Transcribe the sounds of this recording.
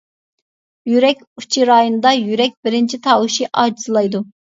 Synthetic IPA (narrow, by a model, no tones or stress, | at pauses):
jyɾɛkʲu̥t͡ʃʰiɾɑːjonɨd̪ɑjyɾɛk̚ʲbɪɾɪnt͡ʃʰit̪ʰɑːwuʃiʔɑːd͡ʒiz̥ɨlˠɑjd̪u